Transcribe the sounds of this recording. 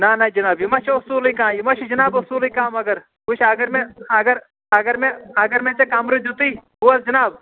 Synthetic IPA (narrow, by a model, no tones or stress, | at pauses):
naːnɐd͡ʒɐnaːbjimɐt͡ʃʰʊsuːlikãːjimɐt͡ʃʰid͡ʒɐnaːbʊsuːlikãːmɐɡɐɾ | kut͡ʃʰɐɡɐɾmẽɐɡɐɾ | ɐɡɐɾmẽɐɡɐɾmẽt͡ʃekaːmɾid͡ʒut̪iːɦuɐsd͡ʒɐnaːb̚